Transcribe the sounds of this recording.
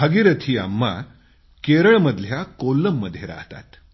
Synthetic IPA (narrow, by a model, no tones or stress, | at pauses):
əɡiɾət̪ʰiːa̰mːa̰ | keɾəɭməd̪ʱljakolːəmːəd̪ʱːjeɾa̰ɦt̪a̰t̪